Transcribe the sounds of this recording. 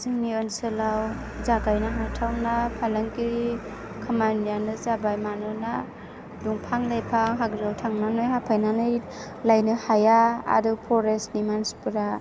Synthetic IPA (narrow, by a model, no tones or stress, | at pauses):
zɯŋniɔnsɯlaw | zaɡajnaɦatʰawnapʰalaŋkiɾi | kʰamanjanɯzabajmanɯna | duŋpʰaŋlajpʰaŋɦaɡɾɯwtʰaŋnanɔjɦapʰajnanɯj | lajnɯhajaa̰dɯpʰɔɾesnimanspɯɾa